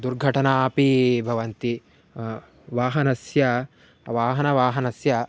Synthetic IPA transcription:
d̪uɾɡʱɐʈɐnaːpibʱɐʋɐnt̪i | ʋaːɦɐnɐsjɐ | ʋaːɦɐnɐʋaːɦɐnɐsjɐ

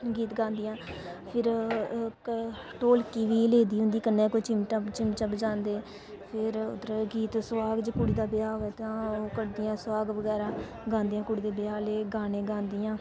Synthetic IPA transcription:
ɡiːt̪ɡãːnd̪ɪjãːpʰɪɾ | ʈoːlkiːʋiːleːd̪iːɦʊ̃nd̪iːkənːẽːkot͡ʃɪmt͡ʃət͡ʃɪmt͡ʃəbd͡ʒãːnd̪eː | pʰɪɾʊ̰d̪əɾɡiːt̪sʋaːɡd͡ʒəkuɽiːd̪aːbɪjaːʋɛːt̪ãːoːkəɽd̪ɪjãːswaːɡʋəɡɛːɾaː | ɡãːnd̪ijãːkʊɽiːd̪eːbɪjaːleːɡaːnẽːɡãːnd̪ɪjãː

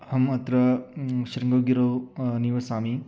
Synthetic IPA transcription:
hɐmɐt̪ɾɐʃɾiŋɡɐwɡiɾɐwniʋɐsaːmi

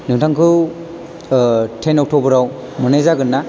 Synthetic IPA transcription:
nɯŋtʰaŋkʰɯ | tʰenɔk̚tʰobɯɾaw | mɯnajzaɡɯnːa

